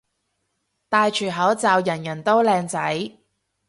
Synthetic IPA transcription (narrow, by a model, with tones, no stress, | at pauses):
t̪aː˨˧jt͡ʃʰyː˨˩ɦɐ˨˥wt͡saː˨˧wjɐ˨˩njɐ˨˩nt̪o˥wlɛː˧ŋt͡sɐ˨˥j